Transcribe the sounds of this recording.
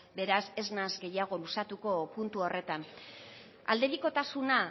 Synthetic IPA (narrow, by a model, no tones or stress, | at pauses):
be̞ɾase̞znazɡe̞jaɣ̞o̞lusat̪uko̞punt̪uo̞re̞t̪an | a̰ld̪e̞ɾiko̞t̪asuna